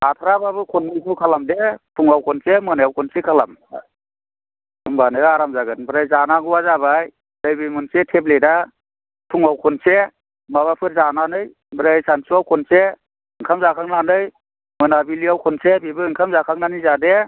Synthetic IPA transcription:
atʰaɾababɯkʰunmikʰukʰalamdetʰuŋawkʰɔnsemɯnajawkʰunsekʰala̰m | ɯŋbanɯaɾamzaɡɯnbɯɾajzanaɡuwazabaj | lɯjbimɯnsetʰep̬̚leda | pʰuŋawkʰɔnse | maβapʰɯɾ̚zananɯj | bɾajsansuawkʰɔnse | ɯŋkʰamzakʰaŋnanɯj | mɯnabiliawkʰɔnsebibɯɯŋkʰamzakʰaŋnanizade

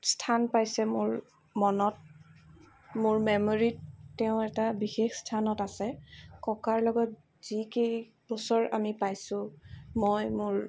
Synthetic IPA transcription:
stʰanpajsɛmʊɹ | mɔnɔt̚ | mʊɹmɛmoɹitːɛʊ̃ɛtabixexstʰanɔtasɛkɔkaɹlɔɡɔt | z̥ikej | b̥ɔsɔɹamipajsʊ̃mojmʊɹ

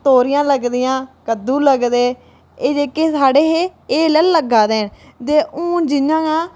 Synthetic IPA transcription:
t̪oːɾɪjãːləɡd̪ɪjãːkəd̪ũːləɡd̪eː | eːd͡ʒeːkːeːsaːɽeːɦeːeːlɛːlləɡaːd̪eːn | t̪eːʔũːd͡ʒɪnãːãː

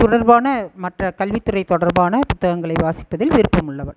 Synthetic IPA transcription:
t̪ʊɽɐɾbaːnɐmɐʈrɐkɐlʋɪt̪ːɯrɐɪt̪ɔɽɐɾbaːnɐpʊt̪ːɐɣɐŋɡɐɭɐɪʋaːsɪ̥pːɐðɪlʋɪɾɯpːɐmʊɭːɐʋɐɭ

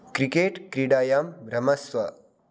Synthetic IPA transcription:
kɾikeːʈkɾiɽaːjaːmbʱɾɐmɐsʋɐ

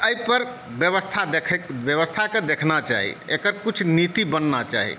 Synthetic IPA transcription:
əjpəɾbjəʋəst̪ʰad̪ekʰbjəʋəst̪ʰaked̪ekʰnat͡ʃa̰ɦḭekəɾkut͡ʃʰnit̪ibənːat͡ʃa̰ɦḭ

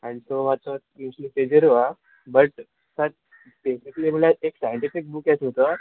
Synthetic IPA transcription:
anisomat͡sɔ | juɕliʈed͡ʑəɾoʋa | bəʈ | sat̪̚ | besikliːm̤əlaeksajə̃ɳʈifik̚bukasot̪ə

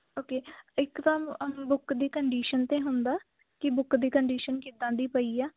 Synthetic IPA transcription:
oːkeːɪkt̪ãːbʊkd̪iːkəɳɖiːʃənt̪ẽːɦʊ̃nd̪aː | kɪbʊkd̪iːkəɳɖiːʃənkid̪ãːd̪iːpəiːaː

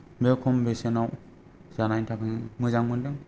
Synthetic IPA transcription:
bekʰɔmbesenaw | z̥anajtʰakʰɯŋmɯzaŋmɯndɯŋ

